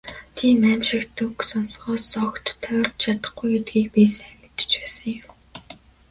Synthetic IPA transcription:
t̪ʰiːmæmʃɪ̆kt̪ɵksɔnsɢɔːsɔkt̪ʰːœwrt̪t͡ɕʰat̪ə̥̆χɡujet̪̚ɡiːk̚pisæmʲɪ̆t̪ːə̥̆t͡ɕpæːsə̆ŋjɪm

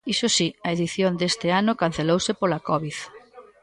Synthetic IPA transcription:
isʊsiɐeðiθjond̪est̪ɪanʊkan̟θelowsɪpolakɔβiθ

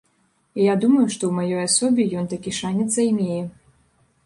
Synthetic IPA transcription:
ijad̪umɐjuʂt̪ɔwmajɔjasɔbʲijɔnt̪akʲiʂanʲɛt̪zɐjmʲejɛ

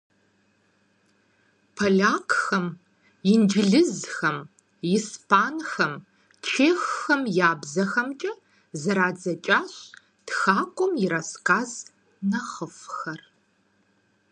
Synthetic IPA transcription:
pʰɐɮaːkʰʼxɐm | ɪnd͡ʒɪɮɨzxɐm | ispʰaːnxɐm | t͡ʃʰeːxːɐmjaːbzɐxɐmt͡ʃʼɐ | zɐɾaːd͡zɐt͡ʃʼaːɕ | txaːkʷʼɔmjɪɾɐskʰaːz | nɐχəfxɐr

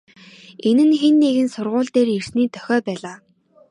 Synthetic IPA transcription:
enɘ̆nxenːeɣɘ̆nsʊrʁʊːɮt̪eːrir̥sniːt̪ʰœ̥xʲɔːpæːɮaː

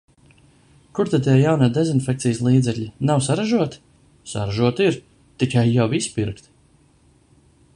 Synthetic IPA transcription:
kuɾt̪at̪ɛjawnad̪ezinfʲɛk̚t̪sijslˠiːd̪zɛkʎʲinawsaɾaʒuɔt̪ | sa̰ɾaʒuɔt̪iɾ | t̪ikajːawispiɾkt̪

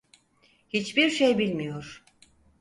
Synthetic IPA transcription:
hit͡ʃbiɾʃejbilʲmijo̞ɾ̥

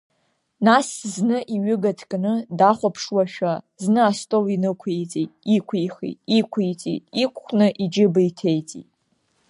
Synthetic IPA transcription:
nasznɨʔiɥʏɡatʰkʼnɨdaχʷapʰʂwaʃᶣa | znɨastʼolinɨkʷʰit͡sʼitʼikʷʰiχḭtʼikʷʰijt͡sʼḭtʼikʷʰχʷʰnɨʔid͡ʒɪbaitʰe̞jt͡sʼḭtʼ

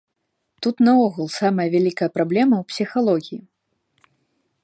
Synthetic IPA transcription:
t̪ut̪naɔɣulˠsamɐjɐvʲalʲikɐjɐpɾablʲɛmɐwpsʲixalˠɔɣʲiji

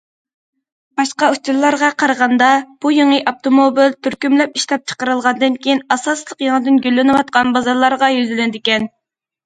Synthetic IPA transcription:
b̥ɑʃqɑut͡ʃulːˠɑɾʁɑqʰɑɾəʁɑnd̪ɑb̥ujeŋəʔɑp̚t̪omobilt̪ʰyɾkʲymlɛpiʃlɛp̚t͡ʃʰə̥qəɾɨlˠʁɑnd̪ɨnkʲʰejinɑsɑslˠəqjɑŋəd̪ɨnɡʲølːɪnɨwɑt̪̚qʰɑnbɑzɑɾlˠɑɾʁɑjyzylɪnɪd̪ɪkʲɛn

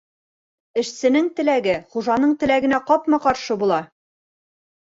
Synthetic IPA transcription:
ɘ̆ʃsɘ̆nɘŋt̪ɘ̆læɡɘχuʒɑnɤɴt̪ɘ̆læɡɘ̆næqɒpmɑqɒɾʃɤbulˠɑ

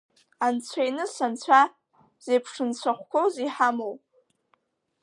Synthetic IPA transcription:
ant͡sʷʰejnɨsant͡sʷʰa | z̥ejpʰʂɨnt͡ɕʷʰaχʷkʷʰowziħamow

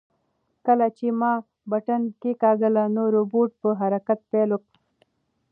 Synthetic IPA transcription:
kəlat͡ʃemɑ | baʈankekaːɡəlanoɾoboʈ̚pəɦaɾakat̪̚pelok̚

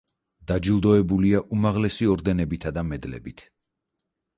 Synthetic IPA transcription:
d̪̥ad͡ʒilˠd̪ɔɛbuliaʔumaʁlɛsiɔɾd̪ɛnɛbit̪ʰad̪amɛd̪lɛ̰bit̪ʰ

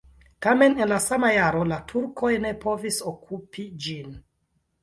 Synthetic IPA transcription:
kame̞nenlasamajaɾo̞latʰuɾkʰo̞jne̞po̞visokʰupʰid͡ʒin

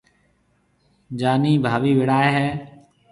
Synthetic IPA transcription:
d͡ʒaːniːbʱaːʋiːʋɪɽaːeːɦɛː

